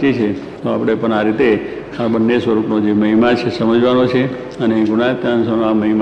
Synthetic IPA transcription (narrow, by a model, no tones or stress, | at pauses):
t͡ʃit͡ʃʰe | t̪oapɽ̃epəɳaɾit̪e | abənːesʋəɾupnod͡ʒeməɦimat͡ʃʰesəməd͡ʒʋanot͡ʃʰe | əneɡunaet̪jãnsəaməɦim